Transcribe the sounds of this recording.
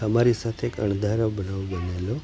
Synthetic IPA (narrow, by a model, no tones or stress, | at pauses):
əmaɾisat̪ʰeekə̰ɳd̪ʱaɾobənaʋobənelo